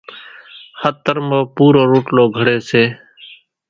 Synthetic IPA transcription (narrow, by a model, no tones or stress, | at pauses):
hət̪ːəɾməːpuːɾoːɾoːʈloːɡʱəɽeːseː